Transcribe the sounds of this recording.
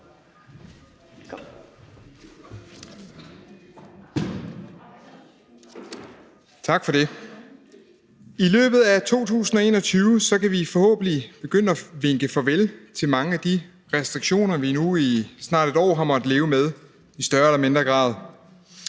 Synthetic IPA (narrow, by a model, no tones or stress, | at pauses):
t͡sʰɑ̈ɡ̥fɒ̽ɾe̝ | ilø̰ːb̥ð̞̩ˠæt͡sʰo̝̰ːt͡sʰṵːsn̩ɒ̽e̝̰ːnɒ̽t͡sʰyːʊsɒ̽kæʋifɒ̽hɔ̰ːb̥n̩lib̥e̝ɡ̥øn̰ɒʋeŋɡ̥əfɒ̽ʋelt͡sʰe̝lmɑ̈ŋəæd̥i | ʁɛsd̥ʁiɡ̥ɕo̝̰ːnɐʋinuisnɑ̰̈ːd̥e̝d̥ɒ̰ːɦɑ̈mɒ̽d̥le̝ːʊmeð̞ˠ | isd̥ɶɐelɐme̝nd̥ʁɐɡ̥ʁɑ̰̈ːð̞ˠ